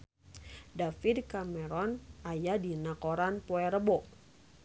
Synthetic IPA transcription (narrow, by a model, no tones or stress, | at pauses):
dafidkamɛɾɔnʔajadinakoɾanpoɛɾəbɔ